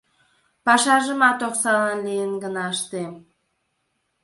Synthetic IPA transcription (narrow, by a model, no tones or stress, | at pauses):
pɑʃɑʒəmɑt̪oχsɑlənlejənɡənɑəʃt̪em